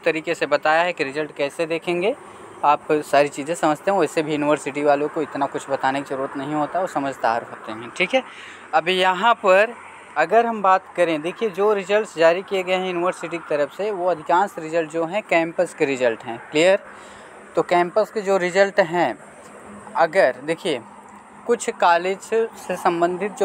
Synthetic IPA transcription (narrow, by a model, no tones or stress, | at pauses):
t̪ɐɾiːkesebɐt̪aːjaɦɛkiɾɪzəlʈkɛːsed̪eːkʰẽːŋɡeː | aːpsaːɾit͡ʃiːzẽsɐməd͡ʒʱt̪eɦẽɛːsebʱijuːnɪʋəɾsɪʈiʋaːlõkoɪt̪nakʊt͡ʃʰbɐt̪aːnekiʃɐɾuːɾət̪nɐɦĩɦoːt̪aɦɛɔːɾsɐməd͡ʒʱt̪aɾɦoːt̪eɦɛ̃ːʈʰiːkɦɛː | ɐbjɐɦãpɐɾ | ɐɡəɾɦɐmbaːt̪kɐɾẽd̪eːkʰied͡ʒoːɾɪzəlʈsd͡ʒaːɾikijeɡɐjeɦɛ̃junɪʋəɾsɪʈiki̥t̪ɐɾəfseʋoɐd̪ʱɪkãːnsɾɪzəlʈd͡ʒoːɦɛ̃kɛ̃ːmpəskeɾɪzəlʈɦɛ̃ːklijəɾ | t̪okɛ̃ːmpəsked͡ʒoːɾɪzəlʈɦɛ̃ | ɐɡəɾd̪eːkʰie | kʊt͡ʃʰkaːleːd͡ʒsesɐ̃mbə̃nd̪ʱɪt̪̚d͡ʒo